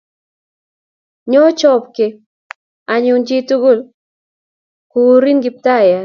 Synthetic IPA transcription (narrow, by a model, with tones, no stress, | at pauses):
ɲɔ˦t͡ʃɔ˦pkɪ˨ | a˨ɲu˨d͡ʒi˦tu˦ɡu˦˨l | ku˨˦ɾi˦nɡɪ˨˦p̚ta˦˨ja˨